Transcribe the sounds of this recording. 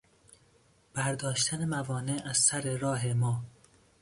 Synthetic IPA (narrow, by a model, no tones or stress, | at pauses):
b̥æɾd̪ɒːʃt̪ʰænemævɒːneʔæzsæɾeɾɒːɦemɒː